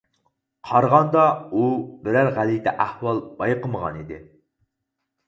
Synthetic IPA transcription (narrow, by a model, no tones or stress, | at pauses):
qʰɑɾʁɑnd̪ɑubɪɾæɾʁælit̪ɛʔæhwɑlˠb̥ɑjqəməʁɑ̰nid̪ɪ̰